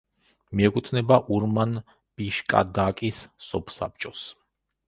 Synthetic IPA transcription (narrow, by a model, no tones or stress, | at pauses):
miɛkʼut̪ʰnɛbaʔuɾman | b̥iʃkʼa̰d̪akʼisːɔpʰsa̰p̚t͡ʃʼɔs